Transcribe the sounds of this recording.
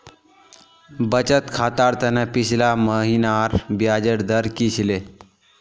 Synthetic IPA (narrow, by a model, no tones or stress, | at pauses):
bət͡ɕət̪kʰat̪aɾt̪anapiɕlaməɦinaɾbjad͡ʑəɽd̪əɾkiɕle